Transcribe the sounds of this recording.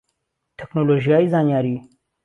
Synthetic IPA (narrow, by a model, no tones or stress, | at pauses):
ʈʰeknoloʒjaizɑːnjaːɾi